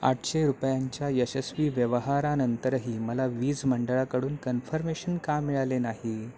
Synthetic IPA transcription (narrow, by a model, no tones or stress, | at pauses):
a̰ʈɕeɾupjaɲt͡ɕjaesesʋiːʋjəʋəɦaɾanənt̪əɾɦiːməlaʋiːd͡zməɳɖəɭakəɽuːnkənfəɾmeɕənkamːiɭalenaɦi